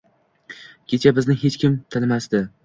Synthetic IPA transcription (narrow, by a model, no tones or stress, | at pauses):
kʲʰe̞t͡ʃʰabɪznɪɦet͡ʃkʲɪmt̪ʰɪlmasd̪ɪ